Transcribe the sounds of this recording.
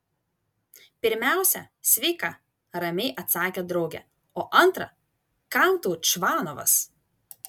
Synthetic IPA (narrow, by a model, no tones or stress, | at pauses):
pʲɪɾʲmʲæˑʊsʲɛ | sʲʋʲɛɪkɑ | ɾɐmʲɛɪʔɐt̪sɑːkʲeːd̪ɾɒʊɡʲɛ̰ | oːʔɐnˑt̪ɾɐ̰ | kɑlˠt̪uːt͡ʃʋɑːnɔʋɐ̰s